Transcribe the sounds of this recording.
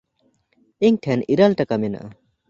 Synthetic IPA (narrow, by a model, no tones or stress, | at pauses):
iŋʈʰɛniɾalʈakamɛna̰ʔa